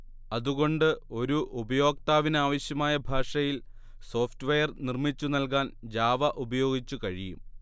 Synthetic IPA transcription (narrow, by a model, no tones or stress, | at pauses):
ɐðuɣo̞ɳɖɨo̞ɾuʔubɐjo̞ːk̚t̪aːʋinaːʋɐɕjɐmaːjɐbʱaːʂɐjil | so̞ːftʋɐjɐrnirmit͡ɕːunɐlk̬aːnd͡ʑaːʋɐʔubɐjo̞ːɡit͡ɕːukɐɻijṵm